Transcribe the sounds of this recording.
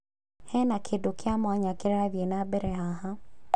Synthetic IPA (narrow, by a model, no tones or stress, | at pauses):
hɛnakʰedokeamwaɲakeɾeaðjenabɛɾɛhaɦa